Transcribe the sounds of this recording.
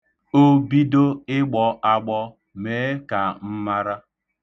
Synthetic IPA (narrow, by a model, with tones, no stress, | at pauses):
o˦bi˦do˦ɪ˦ɡ͡bɔ˨ʔa˦ɡ͡bɔ˦ | me˨˦ka˨m̩˦ma˦ɾa˦